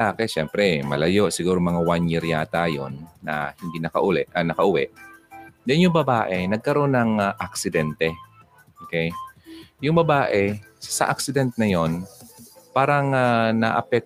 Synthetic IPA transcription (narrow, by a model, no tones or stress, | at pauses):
laːkɛʃɛmpɾɛmɐ̰lɐjo̞ʔsɪɡuːɾomɐŋawanjiɾjaːt̪aːjo̰nːɐ̰hɪnd̪inɐkɐ̰ʔʊlɛɐnɐkɐʔʊwɛʔ | d͡ʒɐnjʊŋbɐbaːʔɛnɐɡ̚kɐɾo̞nːɐŋaʔaksɪd̪ɛnt̪ɛ | ʔoːkɛjjʊŋbɐbaːʔɛ | sɐ̰ʔak̚sɪd̪ɛnt̪̚nɐjo̞npaːɾɐŋanɐʔɐpɛk̚